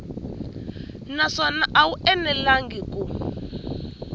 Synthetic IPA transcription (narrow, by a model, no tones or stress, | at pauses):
naʂɔnaʔawuɛnɛlaŋɡikʼu